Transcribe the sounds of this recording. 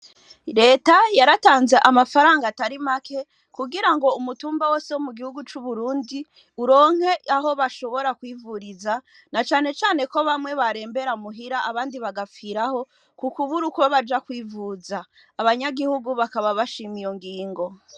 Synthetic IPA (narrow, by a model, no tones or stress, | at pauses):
ɾe̞ːtajaɾataːnze̞ʔamafaɾaːŋɡataɾimakʰe̞ | kuɡiɾaŋɡo̞umutuːmbawo̞ːsewomuɡihuɡut͡ʃuβuɾuːndi | uɾo̞ːŋ̥he̞aɦo̞βaʃo̞βo̞ɾakwiːvuɾiza | nat͡ʃaːne̞t͡ʃaːne̞ko̞βamŋe̞βaɾe̞ːmbe̞ɾamuɦiɾaʔaβaːndiβaɡafiɾaho̞ | kukuβuɾukβoβad͡ʒakwiːvuːzaː | βaɲaɡihuɡuβakaβaβaʃimijoŋɡiːŋɡo̞